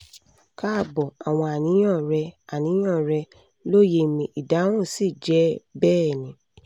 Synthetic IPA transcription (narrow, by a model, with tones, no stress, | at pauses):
ka˦˧˨bɔ˨a˨w̃ɔ̃˧a˨nĩ˨˦j̃ɔ̃˦˨ɾɛ˧a˨nĩ˨˦j̃ɔ̃˦˨ɾɛ˧ | lo˦˨je˧˨mĩ˧i˨da˨˦w̃ũ˦˨si˦˨d͡ʒɛ˨˦bɛː˦˨nĩ˨˦